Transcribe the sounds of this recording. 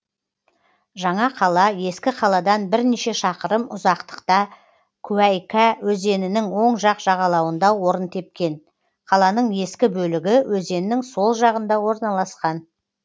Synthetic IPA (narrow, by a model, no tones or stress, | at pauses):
ʒɑɴɑqʰɑlˠɑje̞skʲɪqʰɑlˠɑd̪ɑnbɪɾneʃe̞ʃɑqəɾəmʊzɑqt̪ə̥qt̪ɑ | kʲʰʉæjkæwɵze̞nɪnɪŋwo̞ɴʒɑqʒ̥ɑʁɑlˠɑwənd̪ɑwo̞ɾənt̪ʰe̞p̚kʲe̞n | qʰɑlˠɑnəɴje̞skʲɪbɵlɪɡʲɪwɵze̞nɪːɪŋso̞lˠʒɑʁənd̪ɑwo̞ɾnɑlˠɑsqɑn